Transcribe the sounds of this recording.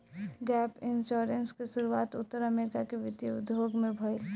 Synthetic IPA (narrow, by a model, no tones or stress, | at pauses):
ɡɛːpɪnʃoːɾenskesʊɾuaːt̪ʊt̪ːəɾɐmeːɾɪkakeʋɪt̪jiʊd̪joːɡmẽbʱɐe